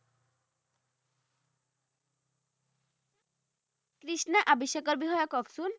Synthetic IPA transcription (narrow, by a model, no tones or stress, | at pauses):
kɾiʃnaʔabiʃːakɔɾbiɦɔakɔbsun